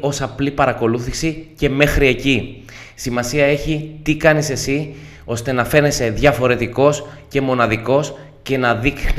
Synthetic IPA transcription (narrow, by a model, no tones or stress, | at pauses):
o̞sɐplipɐɾɐko̞luθisice̞me̞xɾie̞ci | simɐsiɐe̞çit̪ikɐnise̞si | o̞st̪e̞nɐfe̞ne̞se̞ðʝɐfo̞ɾe̞t̪iko̞sce̞mo̞nɐðiko̞s | ce̞nɐðixn